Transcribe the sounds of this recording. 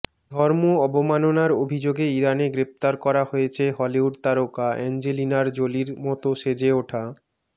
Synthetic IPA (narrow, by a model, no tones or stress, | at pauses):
d̪ʱɔɾmoɔbomanonaɾobʱid͡ʑoɡeiɾaneɡɾep̚t̪aɾkɔɾahojet͡ɕʰeɦɔliuɽt̪aɾokaɛ̰nd͡ʑelinaɾd͡ʑoliɾmɔt̪oʃed͡ʑeoʈʰa